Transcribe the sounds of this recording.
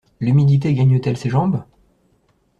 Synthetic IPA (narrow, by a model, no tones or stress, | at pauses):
lymid̪it̪̬eɡaɲət̪ɛlseʒɑ̃b